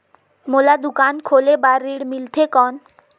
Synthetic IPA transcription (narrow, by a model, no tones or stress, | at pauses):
molad̪ukankʰolebaɾːiɽmilt̪ʰekɔn